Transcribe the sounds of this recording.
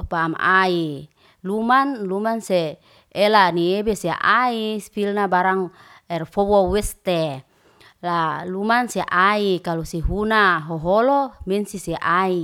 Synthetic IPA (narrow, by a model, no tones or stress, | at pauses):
pamʔai | lumanlumanse | elaniebeseʔaispilnabaɾaŋ | ɛrfowowɛst̪e | lalumanseʔaikalusiɦunaɦoɦolomɛnsiseʔai